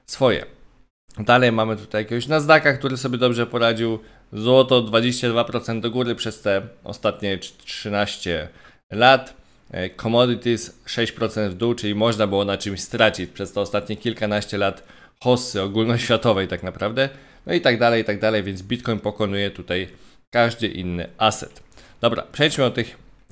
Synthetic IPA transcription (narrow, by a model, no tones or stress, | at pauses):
sfɔjɛ̰ | d̪alɛjmamɘt̪u̥t̪ajakʲɛɡɔɕnaznakakt̪uɾɘsɔbʲjɛd̪ɔbʐɛpɔɾad͡ʑiw | zwɔt̪ɔd̪vad͡ʑeɕt͡ɕad̪vapɾɔt̪sɛnd̪d̪ɔɡuɾɘpʂɛst̪ɛɔ̰st̪at̪ɲɛʂɘnaɕt͡ɕɛ | lat̪ | kʰɔmɔd̪ɘt̪isʂɛɕt͡ɕpɾɔt̪sɛnd̪vd̪uwt͡ʂɘlʲimɔʐnabɘwɔnat͡ʂɘmɕst̪ɾat͡ɕit͡ɕpʂɛst̪ɛɔst̪at̪ɲɛkʲilkanaɕt͡ɕɛlat̪ | xɔsːɘɔɡulnɔɕfʲjat̪ɔvɛjt̪aknapɾavd̪ɛ | nɔit̪aɡd̪alɛjt̪aɡ̚d̪alɛjvʲɛnd̪zbʲit̪kɔjnpɔkɔnujɛt̪ut̪aj | kaʐd̪ɘʔḭnːɘ̰ʔasɛ̰t̪d̪̥ɔbɾa̰pʂɛjt͡ɕmɘɔt̪ɘx